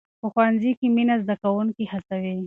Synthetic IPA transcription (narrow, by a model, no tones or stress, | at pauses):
pəxwanzikiminazd̪akawuŋkihasawi